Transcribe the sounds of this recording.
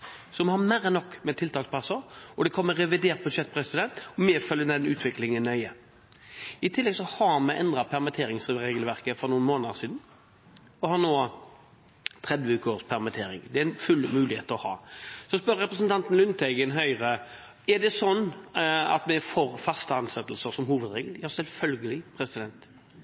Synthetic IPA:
sɔmɛhɑɾmæɾənɔkːmɛt̪ʰɪlt̪ʰɑːkspʰɑsəɾɔd̪ɛkʰɔmːəʁɛʋɪd̪eːɾʁt̪̚bʉd̪ɕɛt̪̚pʰɾɛsɪd̪ɛnt̪ɔmɛfœljəd̪ɛnʉːt̪ʰʋɪklɪŋənːœʏə | ɪt̪ʰɪlːɛɡsɔhɑɾmɛʔɛnd̪ɾɑpʰæʁmɪt̪ʰeːɾɪŋsɾeːɡəlʋæʁkəfɔɾnuːnmoːnəsiːd̪n̩ | ɔhɑnoː | t̪ʰʁɛd̪ʋəʉːkəoːspʰæʁmɪt̪ʰeːɾɪ̰ŋd̪ɛæɛnfʉlmʉːlɪheːt̪ɔhɑ̰ːsɔspœɾɾɛpʁəsnt̪ʰɑnt̪ən̩lʉnt̪ʰɛɡənɦœʏʁə | ɛd̪ɛsɔnːɑ̰t̪mɛfoːɾfɑst̪əɑnsɛt̪ːlsəsɔmhuːʋəd̪ɾeːɡəljɑːsɛlfœlɡəlɪpʰɾɛsɪd̪ɛnt̪

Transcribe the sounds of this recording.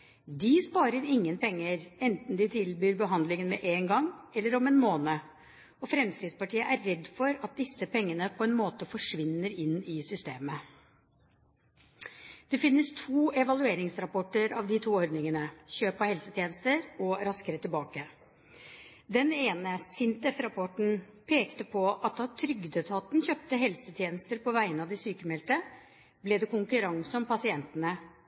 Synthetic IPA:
d̪ɪspɑːɾəɾɪŋːənpɛŋːəɾɛnt̪n̩d̪ɪt̪ʰɪlbyːɾbəɦɑnd̪lɪŋənmɛʔeːnɡɑŋɛlːəɾɔmɛːnmoːnə | ɔfɾɛmskɾiːd̪spɑʈiːəʔæɾːɛd̪ːfɔɾɑt̪̚d̪ɪsːəpʰɛŋːənəpʰɔɛnmoːt̪əfɔʂʋɪnːəɾɪnːɪsʏst̪eːmə | d̪̥ɛfɪnːəst̪ʰuːɛʋɑlʉeːɾɪŋsɾɑpɔʈːəɾɑʋd̪ɪt̪ʰuːɔɾɖnɪŋənəçøːpɑhɛlsət̪ʰjeːnəst̪əɾɔɾɑskəɾət̪ɪlbɑːkə | d̪ɛneːnəsɪnt̪ɛfɾɑpʰɔʈɳ̩ | pʰeːkt̪əpʰɔʔɑt̪̚d̪ɑt̪ʰɾʏɡd̪ət̪ʰɑt̪nçøːp̚t̪əɦɛlsət̪ʰjeːnəst̪əɾpʰɔʋæɪənɑd̪ɪsyːkəmɛlt̪ə | blɛd̪ɛkʊŋkʉɾɑŋsɔmpɑsɪɛnt̪ənə

